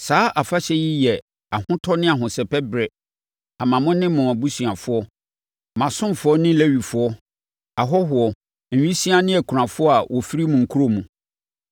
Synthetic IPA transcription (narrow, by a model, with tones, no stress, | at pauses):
saː˦ʔa˨fa˦ɕɛ˦ji˦jɛ˨ | a˨hʊ̃˦tʰɔ˦nɪ̃˦a˨ɦʊ̃˨sɛ˨pɛ˦bɾɛ˨ | a˨mã˨mʊ̃˦nɪ̃˦mʊ̃˨mæ˨bu˦sɥã˨fʊ˦ɔ˦ | mã˨sʊ̃˦m˨fʊ˦ɔ˦nɪ̃˦læ˦ɥi˨fʊ˦ɔ˦ | a˨ɦɔ˦ɦʊ˨ɔ˨ | n̩˨ɥĩ˦si˦ã˦nɪ̃˦ɛ˨kʰu˨ɾã˨fʊ˦ɔ˦a˨wʔɔ˨fi˦ɾi˦mũ˨ŋ̩˨kʰu˦ɾo˦˨mũ˨